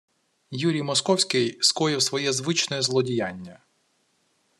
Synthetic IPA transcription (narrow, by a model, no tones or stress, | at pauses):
juɾʲijmɔskɔwsʲkɪjskɔjɪwsʋɔjɛzʋɪt͡ʃnɔjɛzlˠɔdʲijanʲːɐ